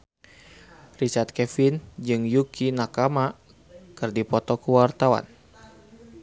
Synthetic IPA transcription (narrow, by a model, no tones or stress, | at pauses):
rit͡ʃart̪̚kɛfind͡ʒɨŋjukinakama | kɨrdipɔt̪ɔkəwart̪awa̰n